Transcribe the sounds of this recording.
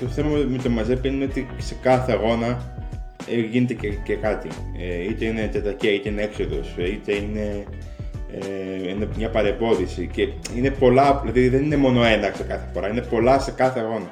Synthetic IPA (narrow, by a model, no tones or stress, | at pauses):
t̪o̞θemɐmmet̪omɐzepiineo̞t̪ise̞kɐθe̞ɣo̞nɐ | eʝine̞t̪ececekɐt̪ḭeit̪e̞ine̞t̪et̪ɐɾceit̪eineekso̞ðo̞̰sit̪e̞ine̞ | einemɲɐpɐɾe̞mbo̞ðisice̞ | ine̞po̞lɐlɐðiðe̞nine̞mo̞no̞e̞nɐksekɐθefo̞ɾɐine̞po̞lɐse̞kɐθeɣo̞nɐ